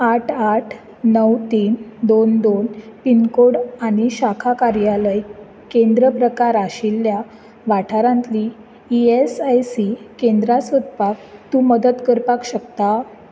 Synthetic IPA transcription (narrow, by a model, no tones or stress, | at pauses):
aʈʰaʈʰ | nəwt̪iːnd̪ond̪onpinkoɽaɽ̃iɕakʰakaɾjaləj | kẽnd̪ɾəpɾəkaɾaɕilːja | ʋaʈʰaɾãnt̪liː | esajsikend̪ɾasʋət̪pak̚t̪ũːməd̪ət̪kəɾpakɕəkt̪a